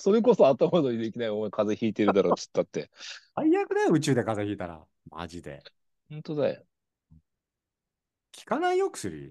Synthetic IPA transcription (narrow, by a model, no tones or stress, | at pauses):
so̞ɾe̞k̬o̞so̞at̪ːamad̪oɲʲid̪e̞kʲinaiomkʰaze̞çiːt̪e̞ɾɯ̟d̪aɾo̞ːt͡sɨ̥t̪ːoat̪ːe̞̰aijakɯ̟d̪ajoɯ̟t͡ɕɨːd̪e̞kazeçʲiːt̪aɾa̰ | ma̰ʑid̪e̞̰ | hɯ̃nt̪o̞d̪ajo̰ | ɯ̃ | kʲi̥kanaijokɯ̟̥sɨɾḭ